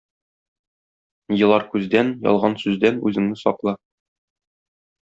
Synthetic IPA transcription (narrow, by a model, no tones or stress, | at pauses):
jɤ̆lˠɑɾkʉzd̪ænjɒ̰lˠʁɑnsʉzd̪ænʉ̰zɘ̆ŋnɘsɒqlˠɑ